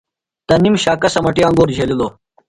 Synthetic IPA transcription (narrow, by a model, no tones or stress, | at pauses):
t̪ɐnimɕaːkɐsɐmɐʈiɐ̃ŋɡoːɾd͡ʑʱeliloː